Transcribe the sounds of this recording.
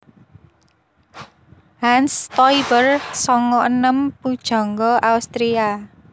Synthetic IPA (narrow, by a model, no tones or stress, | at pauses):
hanst̪ɔibərsɔŋɔʔənəmpud̥ʒ̥ɔ̤ŋɡɔʔaust̪ɾia